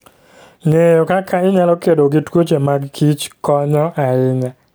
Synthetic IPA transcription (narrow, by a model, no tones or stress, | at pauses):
ŋejokakʰaɪɲalɔkedoɡɪtwot͡ʃemaɡkʰit͡ʃkɔɲɔʔaɪɲa